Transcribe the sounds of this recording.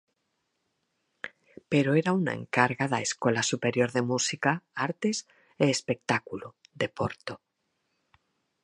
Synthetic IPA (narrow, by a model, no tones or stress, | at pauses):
peɾoeɾauna̰ḛ̃ŋkaɾɣaða̰eskolasupeɾjoɾðemusikaaɾt̪es | eːspek̚t̪akuluðepoɾt̪o